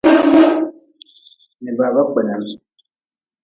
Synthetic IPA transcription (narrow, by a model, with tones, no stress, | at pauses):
ni˨ba˨ba˦k͡pɛ˨na˨m˨